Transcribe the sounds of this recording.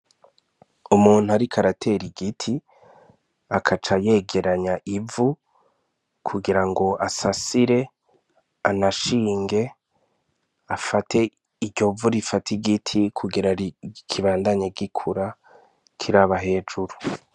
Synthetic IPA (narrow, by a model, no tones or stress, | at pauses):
umuːn̥huaɾikʰaɾatʰe̞ɾiɡitʰi | akʰat͡ʃaje̞ɡe̞ɾaɲaʔivu | kʰuɡiɾaŋɡo̞asasiɾe̞ | anaʃiːŋɡe̞ | afatʰe̞ | iɟo̞vuɾifatiɡitʰikʰuɡiɾaikʰiβaːndaɲeɡikʰuɾa | kʰiɾaβaɦe̞ːd͡ʒuɾu